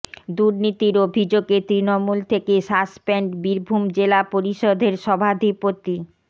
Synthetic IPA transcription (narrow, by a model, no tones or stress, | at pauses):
d̪uɾnit̪iɾobʱid͡ʑoɡet̪ɾinomult̪ʰekeʃaspeɳʈbiɾbʱumd͡ʑelapoɾiʃod̪ʱeɾʃɔbʱad̪ʱipot̪i